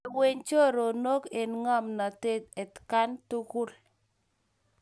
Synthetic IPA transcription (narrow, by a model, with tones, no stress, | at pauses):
we˦ɲt͡ʃo˦ɾo˨no˦ke˨nŋɔ˦mna˨te˦t̚e˨tka˦ntu˦ku˦l